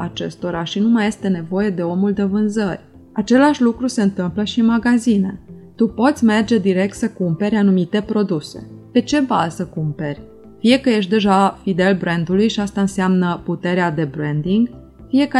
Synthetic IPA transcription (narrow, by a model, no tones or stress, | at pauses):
at͡ʃe̞̰st̪o̞ɾaʃinumaje̞st̪e̞ne̞vo̞je̞d̪e̞o̞muld̪e̞vɨnzərʲ | at͡ʃe̞laʃʲlukɾuse̞ɨnt̪ɨmpləʃimaɡazine̞t̪upo̞t̪sʲme̞rd͡ʒe̞d̪iɾe̞k̚t̪səkumpe̞ɾʲanumit̪e̞pɾo̞d̪use̞̰pe̞t͡ʃe̞balsəkumpe̞rʲ | fije̞kəje̞ʃ̬t̪d̪e̞ʒafid̪e̞lbɾe̞nd̪ulujʃiast̪aɨnseamnəput̪e̞ɾead̪e̞bɾend̪iŋɡ | fie̞kə